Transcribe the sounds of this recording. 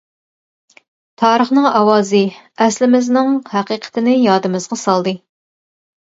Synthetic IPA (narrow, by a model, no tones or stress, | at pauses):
t̪ʰɑːɾəχnɨŋɑwɑːzɨɛslɪmɪznɪŋhæqiːqʰə̥t̪ʰɪnɪjɑːd̪ɨmɨzʁɑsɑlˠd̪ɨ